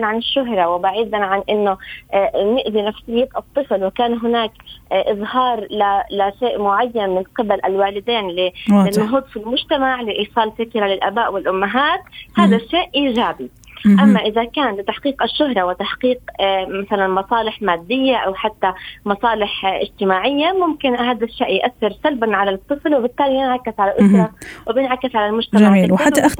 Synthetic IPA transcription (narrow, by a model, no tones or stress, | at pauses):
nʕanɪʃːʊɦɾˤɑwɪbaʕiːd̪anʕanʔɪnːo | nɪʔd̪inafsɪhib̪ʔɑt̪ˤːɨflwɪkaːnɦɪnaːkʔɨzˤhɑːɾˤlalaʃeːʔmʊʕajːanmɪnqɪbalʔalwaːlɪd̪eːnlɪnːʊɦuːd̪ˤfilmʊʒt̪amaʕlɪʔiːsˤɑːlfɪkɾalɪlʔabaːʔwɪlʔʊmːaɦaːt̪haːd̪aʃːeːʔʔiːʒaːbi | ʔamːaʔɪðakaːnlɪt̪aħqiːqaʃːʊɦɾˤɑwɪt̪aħqiːqmaθalanmɑsˤɑːlɪħmaːd̪ːɪjːaʔawħat̪ːamɑsˤɑːlɪħʔɪ̰d͡ʒt̪ɪmaːʕɪjːamʊmkɪnhaːd̪aʃːḛːʔjʔaθːɪɾsalbanʕalat̪ˤːɨflwɪbɪt̪ːaːlibjɪnʕakːɪsʕalaʔʊsɾˤɑwɪbjɪnʕakɪsʕalalmʊd͡ʒt̪amaiːa